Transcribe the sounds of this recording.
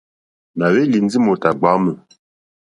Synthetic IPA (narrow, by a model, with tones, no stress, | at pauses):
na˨we˦li˨n˦d͡zi˦mo˨ta˨ɡ͡ba˨˦mə˨